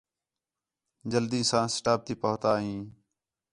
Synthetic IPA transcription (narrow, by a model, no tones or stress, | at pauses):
d͡ʒəld̪ĩːsãːsʈaːp̚t̪iːpəɦt̪aːɦĩː